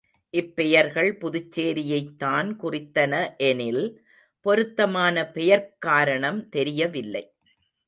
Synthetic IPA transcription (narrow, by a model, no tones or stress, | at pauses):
ʔɪpːɛjɐɾɣɐɭpʊðʊt͡ʃːeːɾɪjɐɪt̪ːaːnkʊrɪt̪ːɐnɐʔɛnɪl | pɔɾɯt̪ːɐmaːnɐpɛjɐɾkaːɾɐɳɐmt̪ɛɾɪjɐʋɪlːɐ̰ɪ